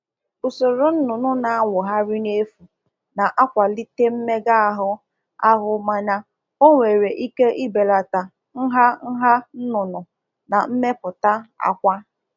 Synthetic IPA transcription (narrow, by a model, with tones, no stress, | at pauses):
ʊ˨so˨ɾo˨n̩˦nʊ˨nʊ˦na˨a˦ŋʷʊ˨ɦa˦ɾi˦ne˦fu˨ | na˨ʔa˦kʷa˨li˦te˦m̩˦me˦ɡa˦a˨ɦʊ˦ | a˦ɦʊ˦ma˦ɲa˦ | o˦ŋʷe˨ɾe˨ʔi˦ke˦ʔi˦be˨la˨ta˨ | n̩˦ɦa˦n̩˦ɦa˦n̩˦nʊ˨nʊ˨ | na˨m̩˦me˦pʊ˨ta˦a̰˨kʷa˦